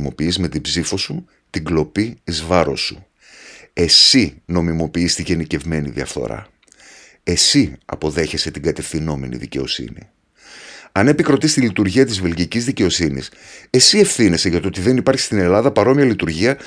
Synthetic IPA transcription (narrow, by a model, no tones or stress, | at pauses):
mo̞piizme̞t̪ibzifo̞su | t̪iɡlo̞piːzvɐɾo̞su | e̞sino̞mimo̞piist̪iʝe̞nice̞vme̞nḭðiɐ̰fθo̞̰ɾɐ̰ | e̞siɐ̰po̞ðe̞çe̞se̞t̪iɡɐt̪e̞fθino̞me̞̰nḭðice̞o̞̰sḭnḭ | ɐne̞pikɾo̞t̪ist̪ilit̪uɾʝiɐt̪izvelʝicizðice̞o̞sinḭse̞sie̞fθine̞se̞ʝɐt̪ot̪iðe̞nipɐɾçi̥st̪ine̞lɐðɐpɐɾo̞miɐlit̪uɾʝiɐ